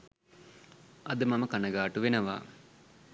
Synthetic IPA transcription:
ɐd̪əmɐməkanəɡaːʈuʋenəʋa̰ː

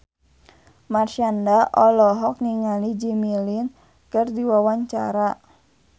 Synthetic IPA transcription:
marʃandaʔɔlɔɦɔk̚niŋalid͡ʒimilin | kɨrdiwawaɲt͡ʃa̰ɾa

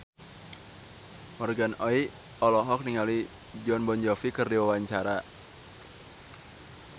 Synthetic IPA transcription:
mɔrɡanɔi | ɔlɔɦɔk̚niŋali | d͡ʒɔnbɔnd͡ʒɔfikɨrdiwawaɲt͡ʃaɾa

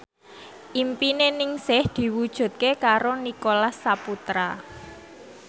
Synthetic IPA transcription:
ʔimpinenɪŋsɪhd̪̥i̤wud̥ʒ̥ṳt̪̚kekaɾonikolasːaput̪ɾa

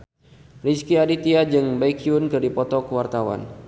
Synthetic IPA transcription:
riskiadit̪iad͡ʒɨŋbaikiunkɨrdipɔt̪ɔkəwart̪awa̰n

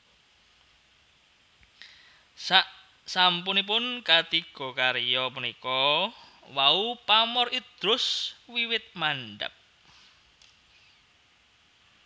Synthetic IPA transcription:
saʔ | sampunipʊnkat̪iɡ̥ɔ̤kaɾijɔpunikɔ | waupamɔrid̪̥ɾʊswiwɪt̪̚maɳɖə̰p̚

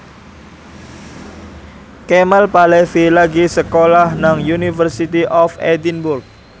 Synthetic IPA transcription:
kemalpalɛfilaɡisəkolahnaŋjunifərsit̪iʔɔfed̪inbʊrk̚

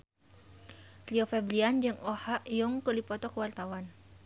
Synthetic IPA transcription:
liɔfɛbliand͡ʒɨŋɔhaʔjuŋkəlipɔt̪ɔkəwart̪awan

